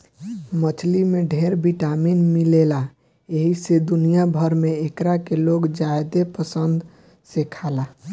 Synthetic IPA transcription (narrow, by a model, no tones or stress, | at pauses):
mət͡ʃʰlimeɖʱeɾbiʈaminmilela | eɦised̪unijabʱəɾmeekɾakeloɡd͡ʒajd̪epəsənd̪ | sekʰala